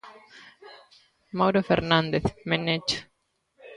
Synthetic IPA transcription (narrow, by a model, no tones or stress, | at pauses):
mawɾofeɾnãnd̪eθmenet͡ʃo̥